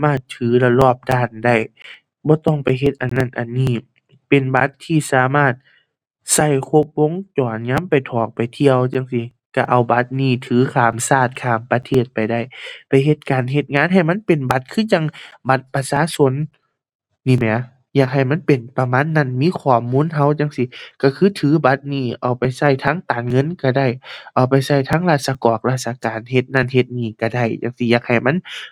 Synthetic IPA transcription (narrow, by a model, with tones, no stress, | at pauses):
a˧˦maː˧˩t̪ʰːɯː˨˦la˧lɔː˧˩p̚daː˧˩nda˧˩j | bɔː˧˦t̪ɔ˧˩ŋpa˨jɦe˧t̪̚ʔa˨˩nːa˧˥˨nʔa˨˩nːiː˧˩ | pe˨nba˧˦t̪ʰːiː˧˩saː˨˦maː˧˩t̪̚ | sa˧˩jkʰo˧p̚wo˧˥˨ŋt͡ɕɔː˨nɲaː˧˥˨mpa˨˩jt̪ʰɔː˨˩k̚pa˨˩jt̪ʰi˧˥əwt͡ɕa˧˦ŋsi˧˦ | ka˧˩ʔa˨˩wba˧˦t̪̚niː˧˩t̪ʰɯː˨˦kʰaː˨˩msaː˧˩t̪̚kʰaː˨˩mpa˧t̪ʰeː˧˩t̪̚pa˨jda˧˥˩jpa˨jɦe˧˦t̪̚kaː˨˩nɦe˧t̪̚ŋaː˧˥˨nɦa˨˩jma˧˥˨npe˨nba˧t̪̚kʰɯː˧˥˨t͡ɕa˧˥˨ŋba˧t̪̚pa˧saː˧˥so˧˥˨nː | iː˧˩mɛ˧˩˨ | jaː˧˩k̚ha˨˩jma˧˥˨npe˨npa˧maː˧˥˨nːa˧˩˨nmiː˧˥˨kʰɔː˧˩muː˧˥˨nɦa˧˩wt͡ɕa˧˦ŋsi˧˦ka˧˩kʰɯː˧˥˨t̪ʰɯː˨˦ba˧˦t̪̚niː˧˩ʔa˨˩wpa˨˩jsa˧˩jt̪ʰaː˧˥˨ŋt̪aː˨˩nŋɤ˧˥˨nka˧˩da˧˩jʔa˨˩wpa˨˩jsa˧˩jt̪ʰaː˧˥˨ŋlaː˧˩t̪̚sa˧kɔː˨˩k̚laː˧˩t̪̚sa˧kaː˨˩nɦe˧t̪̚na˧˩˨nɦe˧˦t̪̚niː˧˩ka˧˩da˧˩jt͡ɕa˧˦ŋsi˧˦jaː˧˩k̚ha˨˩jma˧˥˨n